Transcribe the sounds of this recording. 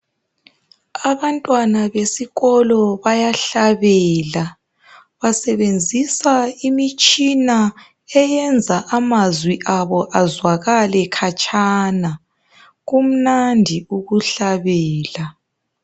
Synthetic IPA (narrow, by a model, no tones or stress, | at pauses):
aβantʼwanaβesiɣɔlɔβajaɬaβɛːla | βasɛβend͡zʱisaimit͡ʃʼina | ɛjɛnd͡zʱaʔamazwiʔaβɔʔazwaɣalɛkʰat͡ʃʼʰana | ɣum̩nandʱiuɣuɬaβɛːla